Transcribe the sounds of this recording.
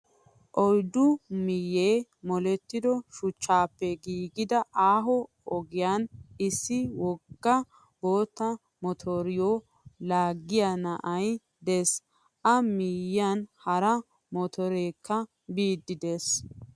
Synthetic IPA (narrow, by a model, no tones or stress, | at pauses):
ʔɔjd̪ʊmɪjːeːmɔlɛt̪ːɪd̪ɔʃʊt͡ʃːaːpːɛɡiːɡɪd̪ɐʔaːɦɔ | ɔɡɪjaːnɪsːɪwɔɡːɐ | boːt̪ːɐ | mɔt̪ʰoɾɪjo | laːɡːɪjanɐʔɐj | d̪eːs | ʔɐmɪjɪanhɐɾɐ | mɔt̪ʰɔɾeːkʰːɐ | biːd̪ːɪd̪e̞ːs